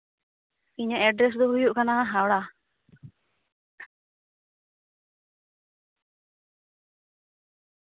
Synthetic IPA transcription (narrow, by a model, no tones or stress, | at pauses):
iɲaʔɛɖɾes̬d̪ɔɦujuʔkanaŋaɦawɽa